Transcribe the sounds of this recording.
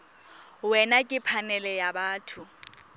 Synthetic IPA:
wɛnakʼɪpʰanɛlɛjabaːtʰʊ

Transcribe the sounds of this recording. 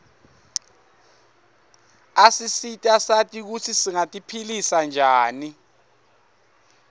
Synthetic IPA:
asisitʼasatʼik̬utʰisiŋatʼipʰilisand͡ʒʱaːni

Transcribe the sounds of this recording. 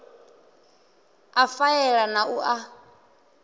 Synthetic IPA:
afaɛɺanaʔuʔa

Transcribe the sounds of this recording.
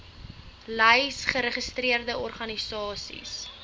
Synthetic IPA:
lɐjsχəɾəχəstriərdəɔrχɐnisɑːsḭs

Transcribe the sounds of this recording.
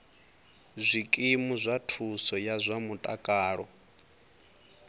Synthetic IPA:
zʷikʼimuzʷatʰusɔjazʷamutʼakʼaːɺɔ

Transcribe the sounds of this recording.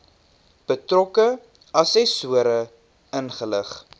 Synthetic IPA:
b̥ətrɔkə | ɐsɛsuəɾə | ənχələχ

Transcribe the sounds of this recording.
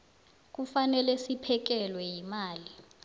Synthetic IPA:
k̬ufanɛlɛsipʰɛk̬ɛlwɛjimaːli

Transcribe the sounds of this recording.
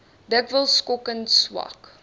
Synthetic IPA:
dəkvəlˠskɔkənswɑ̰k

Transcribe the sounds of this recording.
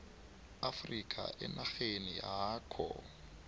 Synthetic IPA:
afrikʰʼa̰ʔɛnʔaɣenɪjaaːkʰɔ

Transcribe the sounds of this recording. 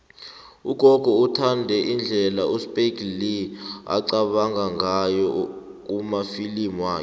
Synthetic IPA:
uɡ̥ʱɔɡ̥ʱɔutʰandʱɛʔind͡ɮʱɛlaʔuspʼeklia̰ǀaɓaŋaŋʱajɔk̬umafilimwaːjɔ

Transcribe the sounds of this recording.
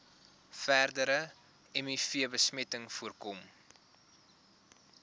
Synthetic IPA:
færdəɾə | ɛmifiəbəsmɛtəŋfuərkɔm

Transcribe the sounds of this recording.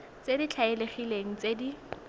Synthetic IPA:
t͡sedit͡ɬʰaɪleχileŋ̩t͡sedi

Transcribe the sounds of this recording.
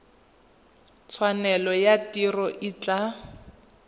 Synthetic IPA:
t͡sʰwanɛlɔjatirɔʔit͡ɬʼa

